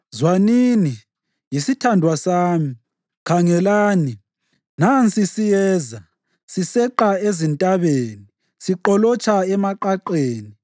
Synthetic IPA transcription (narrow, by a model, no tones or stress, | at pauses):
zwanini | jisitʰandʱwasaːmi | kʰaŋɛlaːni | nant͡sʼisijɛːza | sisɛǃaezintʼaβeːni | siǃɔlɔt͡ʃʰʼaɛmaǃaǃeːni